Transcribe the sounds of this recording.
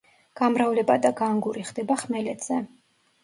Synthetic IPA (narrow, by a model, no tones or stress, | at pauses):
ɡ̥amɾavlɛbad̪aɡaŋɡuɾiχd̪ɛbaχmɛlɛd̪z̥ɛ